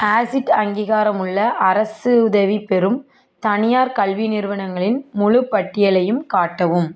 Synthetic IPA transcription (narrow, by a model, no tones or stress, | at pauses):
aːsɪʈɐŋɡiːɣaːɾɐmɯɭːɐʔɐɾɐsɯʊðɐʋipɛɾɯm | t̪ɐnɪjaːɾkɐɭʋinɪɾʋɐɳɐŋɡɐɭɪnmʊɻɯpːɐʈːɪjɐlɐjɯmkaːʈːɐʋɯm